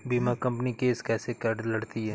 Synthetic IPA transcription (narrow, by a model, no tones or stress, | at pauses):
biːmakɐ̃mpnikeːskɛːsekɐɖlɐɽt̪iɦɛː